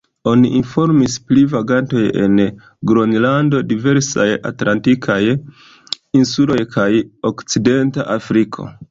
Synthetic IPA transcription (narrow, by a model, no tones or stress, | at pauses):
o̞niʔinfo̞ɾmisplivaɡanto̞je̞̰n | ɡɾo̞nlando̞dive̞ɾsa̰ja̰tlʔantikʰaj | insulo̞jkʰajo̞kt͡side̞nta̰ʔafɾikʰo̞̰